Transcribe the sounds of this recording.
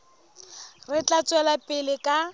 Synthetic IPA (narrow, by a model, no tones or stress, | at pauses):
rɪt͡ɬat͡sʼwɛlapʼɪlɪkʼa